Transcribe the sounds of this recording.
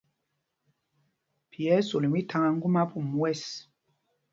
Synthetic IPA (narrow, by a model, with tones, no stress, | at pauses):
pjɛ˨˦so˨li˨mi˦tʰa˦ŋa˦ŋ̩˦ɡu˦ma˦pu˦˨mwɛ˦˨s